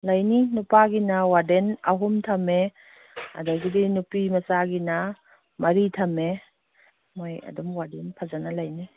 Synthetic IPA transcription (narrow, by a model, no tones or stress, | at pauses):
lajninupaɡinɐwadenɐɦumtʰɐme | a̰daɡidinupimɐsaɡinɐ | mɐɾitʰɐme | moja̰dumwadenpʰazanɐlajni